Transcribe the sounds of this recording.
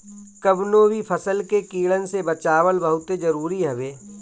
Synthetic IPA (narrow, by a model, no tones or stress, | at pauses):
kəbnoːbipʰəsəlkekiːɭənsebət͡ʃaːwəlbəɦʊt̪ed͡ʒɐɾuːɾiɦɐʋeː